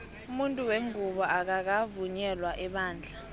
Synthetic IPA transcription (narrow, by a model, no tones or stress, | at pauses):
umuntʼuweŋuɓɔak̬ak̬avuɲɛlwaʔɛɓaːnd͡ɮʱa